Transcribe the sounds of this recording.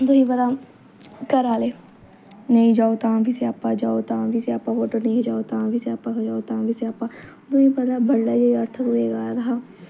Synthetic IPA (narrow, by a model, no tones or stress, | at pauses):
d̪oːĩpəd̪a | kəɾaːleː | nɐĩd͡ʒaːot̪ãːbʱiseaːpːãːd͡ʒaːot̪ãːbʱiseaːpːãːʋoːʈəɾnəĩd͡ʒaːot̪ãːbʱiseaːpːãkd͡ʒaːot̪ãːbʱiseaːpːãː | d̪õĩːpəd̪aːbʱəɽːaːd͡ʒoiəɾt̪ʰkʊɾeːɡaːjad̪ʰaː